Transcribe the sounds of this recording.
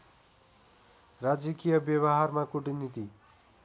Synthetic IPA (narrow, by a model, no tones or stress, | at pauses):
rad͡zikijʌbjʌβʌɦarmakuʈinit̪i